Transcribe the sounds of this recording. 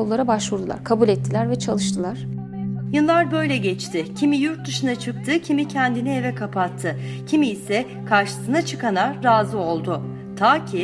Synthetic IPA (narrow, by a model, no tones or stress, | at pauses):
olˠlːˠaɾabaʃvuɾd̪ulˠa̰ɾkʰabulʲɛt̪ʰːilʲæɾvɛt͡ʃʰalˠɯʃt̪ʰɯlˠaɾ̥ | jɯlˠlːˠaɾbø̞jlʲɛɟɛt͡ʃt̪ʰɪcʰimijuɾt̪̚d̪ɯʃɯnat͡ʃʰɯk̚t̪ʰɯcʰimicʰɛnd̪inie̞vɛkʰapʰat̪ʰːɯcʰimiːsɛ | kʰaɾʃɯ̥sɯnat͡ʃʰɯkanaɾːaːzɯo̞lˠd̪ʊ | t̪ʰaːcʰi